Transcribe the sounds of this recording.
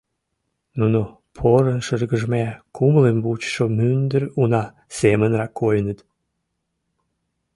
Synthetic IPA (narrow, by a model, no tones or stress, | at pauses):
nuno | pʰoɾənʃərɡəʒmækʰumlembut͡ɕʃomynd̪ərunɑ | semənrɑkʰːojənət̪